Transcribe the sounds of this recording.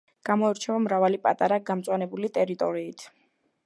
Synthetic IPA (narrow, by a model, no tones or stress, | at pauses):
ɡ̥amɔɛɾt͡ʃʰɛvamɾavalipʼat̪ʼaɾaɡamt̪sʼwanɛbulit̪ʼɛɾit̪ʼɔɾiːt̪ʰ